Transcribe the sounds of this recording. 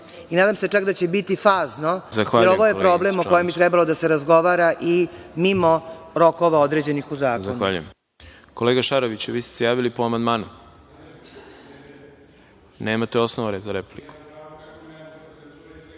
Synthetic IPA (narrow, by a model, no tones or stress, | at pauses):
inaːd̪amse̞t͡ʂakd̪at͡ɕe̞bit̪ifaːznozaxʋaːɾoʋojepɾo̞blemoko̞jembit̪ɾɛbalod̪aseɾazɡo̞ʋaɾaʔimimo̞ɾo̞koʋao̞d̪ɾeːd͡ʑe̞nixuzaːkzaxnʋaʎṵjḛm | koleːɡaʃaɾoʋit͡ɕʋiːst̪e̥sejaːʋilipoamand̪maːnu | neːmat̪eosnoʋaɾezaɾepu̥pliku̥